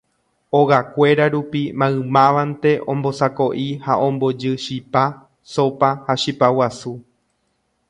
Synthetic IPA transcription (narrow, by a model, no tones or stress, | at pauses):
oɣakʷe̞ɾaɾupimãɨ̃mãʋant̪e̞ʔõ̞mbo̞sako̞ʔihaʔõ̞mbo̞d͡ʒɨʃipa | so̞pahaʃipawasu